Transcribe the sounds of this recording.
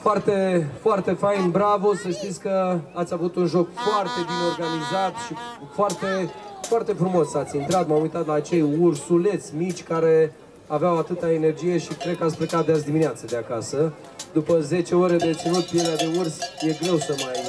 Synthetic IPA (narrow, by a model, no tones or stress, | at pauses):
foart̪e̞foart̪e̞fajnbɾavosəʃt̪it̪sʲkəat̪sʲjavut̪unʒo̞kfoart̪e̞bineo̞rɡanizat̪ʃi | foart̪e̞foart̪e̞fɾumo̞sːat̪sʲint̪ɾat̪mamujt̪at̪laːt͡ʃe̞jursule̞t̪sʲmit͡ʃʲkaɾe̞ | aveawat̪ɨt̪aene̞rd͡ʒije̞ʃikɾe̞d̪̚kəat̪sʲpɾekat̪̚d̪eas̬d̪imineat̪səd̪eakasə | d̪upəze̞t͡ʃe̞o̞ɾe̞d̪et̪sinut̪̚pielead̪e̞ursje̞ɡɾe̞wsəmaj